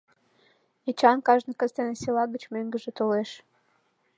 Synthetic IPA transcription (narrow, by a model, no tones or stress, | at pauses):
et͡ɕɑnkɑʒnəkə̆zt̪eneselɑɣət͡ɕmøŋɡə̆ʒĕt̪oleʃ